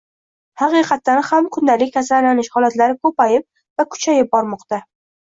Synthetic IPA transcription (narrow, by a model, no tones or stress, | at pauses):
hɑqɨqʰɑt̪ːanhamkʰʊnd̪alɪkʲːasɾaɾlanɪʃhɒlat̪laɾɪkʰɵpajɪp̚ | vakʰʊ̥t͡ʃʰajɪp̚bɒɾmɒqt̪a